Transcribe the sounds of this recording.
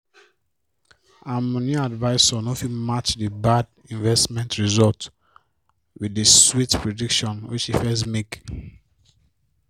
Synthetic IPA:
amɔ̃nĩadvaɪsɔnofimat͡ʃdibad | ĩnvɛstmɛ̃ntɹizɔlt | widiswitpʰɹedikʃɔ̃nwit͡ʃifɛs̬mek

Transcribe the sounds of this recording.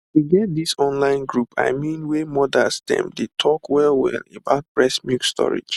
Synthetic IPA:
tuɡɛt̚disɔ̃nlãɪ̃nɡɹupʰa̰ɪmĩnwemɔdasdɛ̰̃mdetʰɔkwɛlˠwɛ̰lebaʊt̚pɹɛsmjukstʰɔ̰ɹḭd͡ʒ

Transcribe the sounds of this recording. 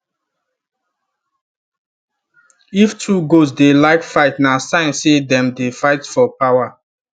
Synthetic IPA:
iftʰuɡosdelaɪkfaɪtnasãɪ̃nsedɛ̃mdefaɪtfɔpawa

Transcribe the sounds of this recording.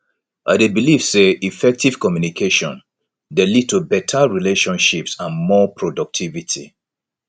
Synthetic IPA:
ʔadebilivseʔifɛk̚tiv̥kɔmjunikʰeʃɔ̰̃n | delid̚tubɛtʰaɹileʃɔ̃nʃipsãnmɔpʰɹɔdɔk̚tʰivitʰḭ

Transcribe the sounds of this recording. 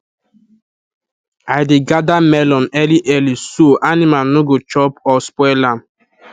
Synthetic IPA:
aɪdɪɡadamɛlɔnɛliʔɛlisoʔanimanoɡot͡ʃɔpɔspɔlam

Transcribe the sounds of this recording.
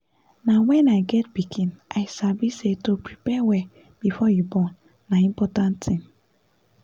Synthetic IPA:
nawɛ̃naɪɡɛt̚bikʰĩnʔaɪsabisetopɹipɛwɛ | b̥ifɔjubɔ̃nː | aĩmpɔtãnttʰĩm

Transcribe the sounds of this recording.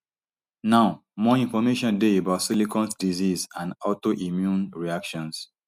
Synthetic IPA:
naʊmɔĩnfɔmeʃɔ̃ndeebaʊtsilikɔ̃nsdizizãnɔtoʔimjũnɹiakʃɔ̃ns

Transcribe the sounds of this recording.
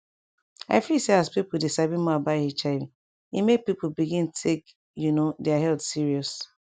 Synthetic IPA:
a̰ɪfilseaspipʊdesabĩmɔabaɪhet͡ʃa | ḭmepipobiɡĩntʰek | junodeaɦɛldsiɹiɔs

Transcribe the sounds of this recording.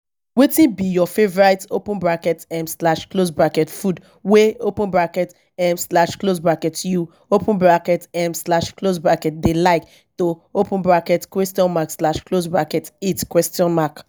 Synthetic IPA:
wetĩnbijɔfevɔɹaɪtopũnbɹakɛtɛ̃mslaʃklosbɹakɛtfud | weopũnbɹakɛt | ɛ̃mslaʃklosbɹakɛtju | opũnbɹakɛtɛ̃mslaʃklosbɹakɛt̚delaɪk | toopũnbɹakɛtkwɛstiɔ̃nmakslaʃklosbɹakɛtetkwɛstiɔ̃nmak

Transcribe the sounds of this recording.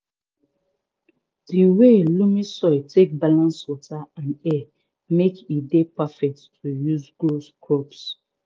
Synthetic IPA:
diwelumisɔɪtʰek̚balãnswɔtaãnɛ | mekidepafɛk̚tːʰujuzɡoskʰɔps

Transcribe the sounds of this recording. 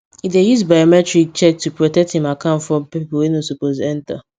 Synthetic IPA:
idejusbajɔmɛtɹik̚t͡ʃɛk̚tʰupɹɔtɛk̚thĩmakʰãʊ̃ntfɹɔ̃mpiplwenosupozɛ̃nta̰

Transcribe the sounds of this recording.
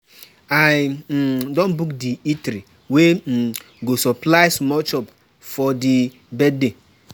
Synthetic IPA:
aj̩ | dɔ̃nbukdiitɾi | we | ɡosɔplaɪsmɔt͡ʃɔp | fɔdi | bɛdde

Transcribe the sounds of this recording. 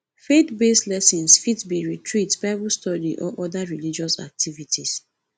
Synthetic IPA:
fet̪beslɛsĩnsfitbiɹitʰɹitbaɪbustɔdḭʔɔ̰ʔɔdaɹilid͡ʒɔsa̰k̚tivitʰis

